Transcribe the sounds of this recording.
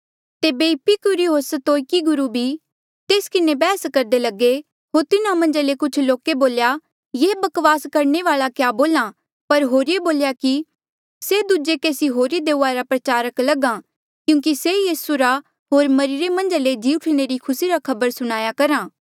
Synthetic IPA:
t̪eːbepikʊɾiɦoːɾsət̪oːjkiɡʊɾubʱi | t̪eːskɪnebɛːskɐɾd̪elɐɡe | ɦoːɾt̪ɪnãmɐ̃nd͡ʒalekʊt͡ʃʰloːkeboːlja | jeːbɐkʋaːskɐɾɳeʋaːɭakjaːboːlã | pɐɾɦoːɾieboːljaki | sed̪ud͡ʒekeːsiɦoːɾid̪eːuaɾapɾɐt͡ʃaːɾəklɐɡã | kjũːŋk̬isejiːsuɾa | ɦoːɾmɐɾɪɾemɐ̃nd͡ʒaled͡ʒiːʊʈʰñeɾikʰʊsiɾakʰɐbəɾsʊɽ̃aːjakɐɾãː

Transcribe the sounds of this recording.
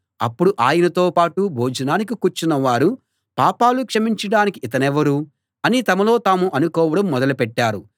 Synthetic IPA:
ɐ̰pːuɽuʔaːjɐnɐt̪o̞ːpaːʈubʱoːd͡ʒɐnaːnik̬ikuːɾt͡ʃinɐʋaːɾu | paːpaːlukʂɐmiɲt͡ʃɐɽaːnikiit̪ɐnɛʋɐɾu | ɐnit̪ɐmɐlo̞ːt̪aːmuʔɐnukɔːʋɐɽɐmːɔd̪ɐlupɛʈːaːɾu

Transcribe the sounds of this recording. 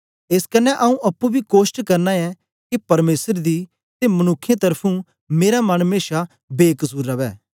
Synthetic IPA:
ɪskɐnɛʔɐũʔɐpːubʱikoːʃʈkɐɾnaɛ | kipɐɾmeːsəɾd̪i | t̪emɐnʊkʰːjãt̪ɐɾpʰũ | meːɾamɐnmeːʃa | beːkəsuːɾːɐʋɛː

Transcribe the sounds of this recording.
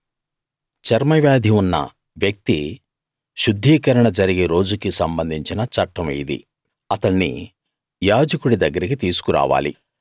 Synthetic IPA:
t͡ʃɐɾmɐʋjaːd̪ʱiunːɐ̰ | ʋjɐk̚t̪i | ʃud̪ʱːiːkɐɾɐɳɐd͡ʒɐɾiɡeɾo̞ːd͡ʒukisɐmbɐnd̪ʱiɲt͡ʃinɐt͡ʃɐʈːɐmɐ̰jid̪ḭ | ɐt̪ɐɳːḭ | jaːd͡ʒɐkuɽid̪ɐɡːɐɾikit̪iːsu̥kuɾa̰ːʋa̰ːlḭ

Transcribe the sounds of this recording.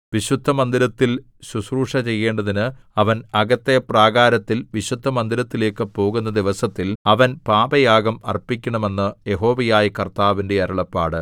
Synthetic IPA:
ʋiɕud̪ʱːɐmɐnd̪iɾɐt̪ːil | ɕusruːʂɐt͡ɕe̞jːe̞ːɳɖɐðinɨɐʋɐnɐɡɐt̪ːepraːɣaːɾɐt̪ːilʋiɕud̪ʱːɐmɐnd̪iɾɐt̪ːile̞ːkːɨpo̞ːɣunːɐd̪iʋɐsɐt̪ːilɐʋɐnpaːbɐjaːɡɐmɐrpikʲːɐɳɐme̞nːɨje̞ɦo̞ːʋɐjaːjikɐrt̪aːʋinde̞ɐɾɐɭɐpːaːɽɨ

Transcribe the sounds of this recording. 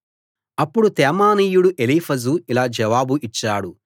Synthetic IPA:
ɐpːuɽut̪ɛːmaːniːjuɽuʔelipʰɐzuilaːd͡ʒɐʋaːbuʔit͡ʃːaːɽu

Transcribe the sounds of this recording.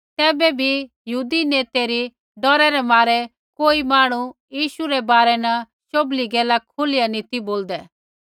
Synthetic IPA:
t̪ɛːbɛbʱijəɦuːd̪ineːt̪eɾi | ɖɔɾɛɾɛmaːɾɛ | koːimaːɽ̃ujiːʃuɾɛbaːɾɛnɐ | ʃobliɡɛːlakʰʊlɪjanit̪iboːld̪ɛ

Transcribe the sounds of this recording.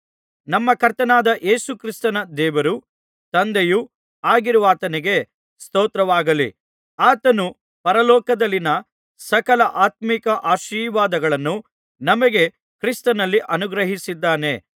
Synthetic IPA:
nɐmːɐkɐɾt̪ɐnaːd̪ɐʔe̞ːsukɾist̪ɐnɐd̪ɛːʋɐɾu | t̪ɐnd̪eju | aːɡiɾuʋaːt̪ɐniɡe̞ | st̪ɔːt̪ɾɐʋaːɡɐlḭ | aːt̪ɐnu | pɐɾɐlɔːkɐd̪ɐlːinɐ | sɐkɐlɐʔaːt̪̚mikɐʔaːʃiːɾʋaːd̪ɐɡɐɭɐnːu | nɐmɐɡe̞ | kɾist̪ɐnɐlːiʔɐnuɡɾɐɦisid̪ːaːne̞

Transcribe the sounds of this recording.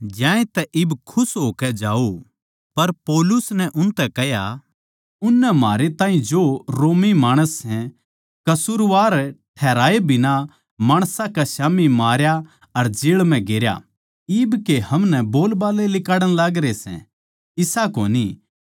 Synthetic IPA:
d͡ʒjãːẽt̪ɛʔɪbkʰʊsɦoːkɛd͡ʒaːo | pɐɾpoːlʊsnɛʔʊnt̪ɛkɛɦja | ʊnːɛmaːɾet̪ãːĩd͡ʒoɾoːmimaːɽ̃əsːɛ̃ | kɐsuːɾʋaːɾʈʰɛːɾaːebʱɪnã | maːɽ̃sãkaʃaːmimaːɾja | ɐɾd͡ʒɪːɭm̤ɛ̃ɡeɾja̰ | ibkehɐmnɛboːlbaːlelɪkaːɽə̃ɽ̃laːɡɾesɛ̰̃ | ɪsako̰ːni

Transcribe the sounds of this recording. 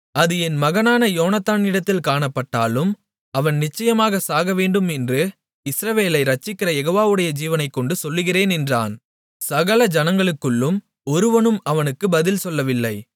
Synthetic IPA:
ɐðɯɛnmɐɣɐnaːnɐjoːnɐt̪ːaːnɪɽɐt̪ːɪlkaːɳɐpːɐʈːaːlɯm | ɐʋɐnnɪt͡ʃːɐjɐmaːɣɐsaːɣɐʋeːɳɖɯmɛndrɯ | ɪsɾɐʋeːlɐɪɾɐt͡ʃːɪkːɪɾɐjɛɣoːʋaːʋɯɽɐjɐd͡ʒiːʋɐnɐɪkːɔɳɖɯsɔlːɯɣɪreːnɛndra̰ːn | sɐɣɐlɐd͡ʒɐnɐŋɡɐɭɯkːɯɭːɯm | ɔɾɯʋɐnɯmɐʋɐnɯkːɯbɐðɪlsɔlːɐʋɪlːɐɪ

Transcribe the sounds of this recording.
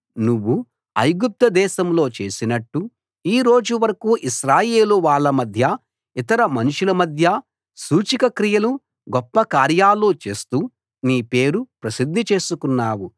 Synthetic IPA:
nuʋːu | ɐ̰jɡup̚t̪ɐd̪ɛːʃɐmlo̞ːt͡ʃe̞ːsinɐʈːu | iːɾo̞ːd͡ʒuʋɐɾɐkuːʔiʃɾaːje̞ːluʋaːɭːɐmɐd̪ʱjɐ | it̪ɐɾɐmɐnuʂulɐmɐd̪ʱjɐ | suːt͡ʃikɐkɾijɐlu | ɡɔpːɐkaːɾjaːlːoːt͡ʃe̞ːst̪uː | niːpe̞ːɾupɾɐsid̪ʱːit͡ʃe̞ːsukunːaːwu

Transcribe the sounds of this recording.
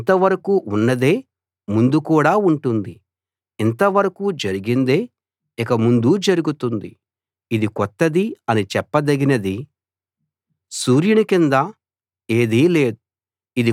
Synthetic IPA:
nt̪ɐʋɐɾɐkuːunːɐd̪eː | mund̪ukuːɽaːuɳʈund̪i | int̪ɐʋɐɾɐkuːd͡ʒɐɾiɡind̪e̞ː | ikɐmund̪ud͡ʒɐɾuɡut̪und̪i | id̪ikɔt̪ːɐd̪iɐnit͡ʃɛpːɐd̪ɐɡinɐd̪i | suːɾjunikind̪a | e̞ːd̪iːleːd̪uː | d̪i

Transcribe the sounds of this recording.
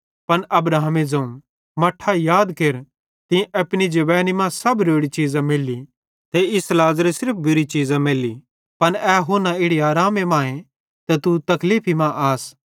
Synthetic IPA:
pɐnʔɐbɾaːmed͡zɐ̃ũ | mɐʈʰːajaːd̪keɾ | t̪ɪ̃ɐpɽid͡ʒɐʋɛːnimãsɐbɾoːɽit͡ʃiːzãmɪlːi | t̪ʰeɪslaːzɾesɪɾp̚ʰbʊɾit͡ʃiːzãmɪli | pɐnɛɦʊnãɪɽiaːɾaːmemãːẽ | t̪ɛt̪ut̪ɐkliːpʰimãʔaːs

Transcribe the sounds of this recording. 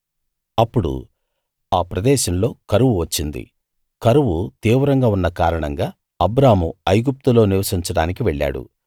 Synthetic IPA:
ɐpːuɽṵ | aːpɾɐd̪ɛːʃɐmlo̞ːkɐɾuʋuʋɐt͡ʃːind̪ḭ | kɐɾuʋut̪iːʋɐɾɐŋɡaːunːɐkaːɾɐɳɐŋɡaː | ɐbɾaːmuɐjɡup̚t̪ulo̞ːniʋɐsiɲt͡ʃɐɽaːnik̬iʋeɭːa̰ːɽṵ

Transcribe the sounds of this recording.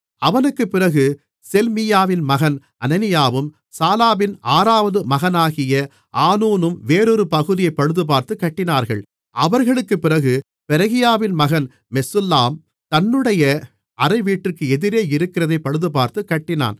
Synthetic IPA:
ɐʋɐnɯkːɯpːɪɾɐɣɯ | sɛlmɪjaːʋɪnmɐɣɐn | ʔɐnɐnɪjaːʋɯm | saːlaːʋɪnʔaːɾaːʋɐðɯmɐɣɐnaːɣɪjɐ | ʔaːnuːnɯmʋeːɾɔɾɯpɐɣɯðɪjɐɪpːɐɻɯðɯp̬aːɾt̪ɯkːɐʈːɪnaːɾɣɐ̰ɭ | ɐ̰ʋɐɾɣɐɭɯkːɯpːɪɾɐɣɯ | pɛɾɐɣɪjaːʋɪnmɐɣɐn | mɛsɯlːaːm | t̪ɐnːɯɽɐjɐ | ʔɐɾɐɪʋiːʈːɪrkɯɛðɪɾeːɪɾɯkːɪrɐðɐɪpːɐɻɯðɯpaːɾt̪ɯkːɐʈːɪna̰ːn

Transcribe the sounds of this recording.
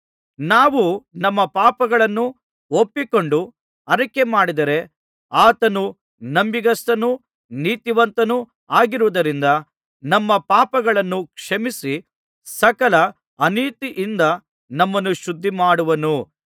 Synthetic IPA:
naːʋunɐmːɐpaːpɐɡɐɭɐnːu | opːiko̞ɳɖu | ɐɾɐkemaːɽid̪ɐɾe̞ | aːt̪ɐnu | nɐmbiɡɐst̪ɐnu | niːt̪iʋɐnt̪ɐnu | aːɡiɾuʋɐd̪ɐɾind̪ɐ | nɐmːɐpaːpɐɡɐɭɐnːukʂɐmisi | sɐkɐlɐ | ɐniːt̪iʔind̪ɐ | nɐmːɐnːuʃud̪ʱːimaːɽuʋɐnu

